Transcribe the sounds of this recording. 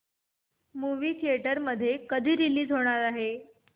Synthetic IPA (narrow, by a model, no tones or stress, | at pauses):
muʋiːt̪ʰieʈəɾməd̪ʱːjekəd̪ʱiːɾiliːd͡zɦoɽ̃aɾaɦe